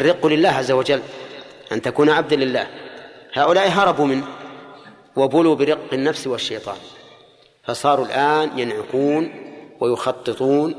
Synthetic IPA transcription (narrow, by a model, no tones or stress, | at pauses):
ʔarːɪqːlɪlːaːhʕazːawad͡ʒalː | ʔant̪akuːnʕab̚d̪alɪlːa̰ːhhaːʔʊlaːʔiɦɑɾˤɑbumɪnː | wabʊluːbɪɾɪqːɪnːafswaʃːejt̪ˤɑ̰ːn | fɑsˤɑːɾˤulʔaːnjanʕʊkuːnwajʊxɑt̪ˤːɨt̪ˤuːn